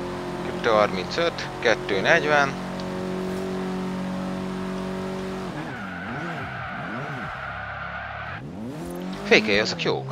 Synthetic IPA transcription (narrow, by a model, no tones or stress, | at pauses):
kypt̪øɦɒrmint̪søt̪ | kɛt̪ːøːnɛɟvɛn | feːjkejɒzokjo̰ːk